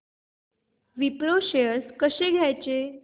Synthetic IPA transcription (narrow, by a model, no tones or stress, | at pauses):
ʋipɾoɕjəskəɕeɡʱjajt͡ɕe